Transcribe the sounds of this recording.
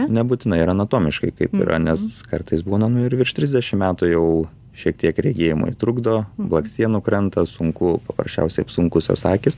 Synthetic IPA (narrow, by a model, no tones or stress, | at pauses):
nʲɛbuːt̪ʲɪnɐɪɪɾɐnɐt̪oːmʲɪʃkɐɪkɐɪpɪ̰ɾʔɐ̰nʲɛskɐrt̪ɐɪsbuːnɐnʊɪɾʋʲɪrʃt̪ʲɾʲɪzʲdʲɛʃʲɪmmʲæːt̪ʊjɛʊ | ʃʲiɛk̚t̪ʲiɛkɾʲɛɡʲeːjɪmʊ̰jit̪ɾʊɡd̪oːblˠɐksʲt̪ʲiɛnʊkɾɛnt̪ɐsʊŋkʊpɐpɾɐsʲt͡ʃʲɛ̰ʊsʲɛɪsʊŋkʊsjɛ̰ʊsɑːkʲɪs